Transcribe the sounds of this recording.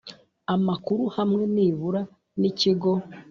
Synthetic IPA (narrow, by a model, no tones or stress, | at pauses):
amakuɾuhamŋe̞niːβuɾa | niciɡo̞